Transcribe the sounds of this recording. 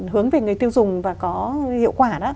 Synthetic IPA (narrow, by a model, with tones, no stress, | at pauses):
hɨ˨˦əŋve˨˩ŋɨ˨˩əjt̪i˧əwzʊ˨˩ŋ͡mvaː˨˩kɔ˨˦hḭ˧˨wkwaː˧˩ɗɔː˨˦